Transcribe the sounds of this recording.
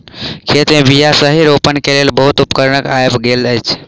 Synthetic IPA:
kʰet̪mẽbijasəɦiɾopənkelelbəɦut̪upkəɾnəkajbɡeləjt͡ʃʰ

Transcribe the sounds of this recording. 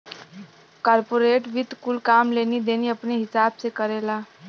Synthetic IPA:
kɔɾpoɾeʈʋid̪ʱkulkamleniːd̪eniːaəpɳiɦisab̚t͡sekəɾela

